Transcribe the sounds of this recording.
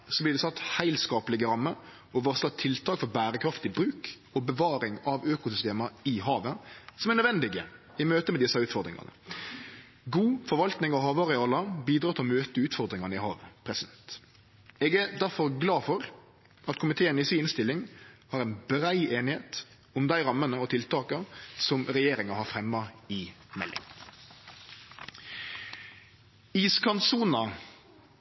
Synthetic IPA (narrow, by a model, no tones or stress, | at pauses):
sɔblɪʁd̪ɛsɑt̪ːhæɪlskɑːpəlɪɡəɾɑmːəɾ | ɔʋɔʁsɑt̪ʰɪlt̪ʰɑːkfɔbæːɾəkʰɾɑft̪ɪbɾʉːk | ɔbəʋɑːɾɪŋɑʋøːkʊsʏst̪eːmɑɪɦɑːʋəsɔmɛʁnœd̪ʋɛnd̪ɪɡə | ɪmøːt̪əmɛd̪ɪsːɑʉːt̪fɔɾd̪ɾɪ̰ŋɑ̰nə̰ | ɡuːfɔɾʋɑlt̪nɪŋɔɦɑːʋɑʁɪɑːlɑbiːd̪ɾɑːt̪ʰɪlɔmøːt̪əʉːt̪fɔɾd̪ɾɪŋɑnəɪhɑːʋəpʰɾɛsɪd̪ɛnt̪ | ɛːɡæːɾd̪æɾfɔɾɡlɑːfɔɾ | ʔɑt̪kʰʊmɪt̪ʰeːənɪsiːnst̪ɪlːɪŋhɑːɾɛnbɾæɪeːnɪheːt̪ | ʊmd̪æɪɾɑmːənəɔt̪ʰɪlt̪ɑːkəsɔmɾɛjeːɾɪŋɑhɑɾfɾɛmːɑɪmɛ̰lːɪ̰ŋ | iskɑnsuːnɑ